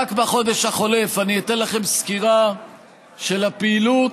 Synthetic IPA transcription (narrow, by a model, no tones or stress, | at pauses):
akbaχo̞d̪e̞ʃhaχo̞le̞faniit̪enlaχe̞mskiʁa | ʃe̞lapeilut